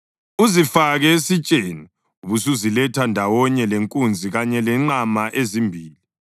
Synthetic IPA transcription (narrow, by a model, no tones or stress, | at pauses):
uzifaɣɛesit͡ʃʼeːni | uβusuzilɛtʰandʱawɔɲɛleŋkʼund͡zʱiɣaɲɛlɛŋ͡ǃamaʔezimbʱiːli